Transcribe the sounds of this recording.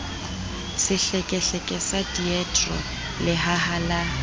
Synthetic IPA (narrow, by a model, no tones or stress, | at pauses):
sɪɬɛkʼɛɬɛkʼɛsadiɛtʼrɔ̰ | lɪɦahala